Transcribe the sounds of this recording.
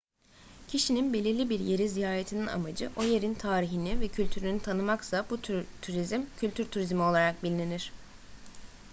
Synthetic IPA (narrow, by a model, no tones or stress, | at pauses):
cʰiʃininbe̞lʲiɾlʲibiɾje̞ɾizijaːɾet̪ʰinina̰mad͡ʒɯʔo̞je̞ɾint̪ʰaːɾiɦinivɛcʰylʲt̪ʰyɾynyt̪ʰanɯmaksabut̪ʰuɾizmcʰyt̪ʰyɾt̪ʰuɾizmio̞lˠaɾak̚bilʲneniɾ̥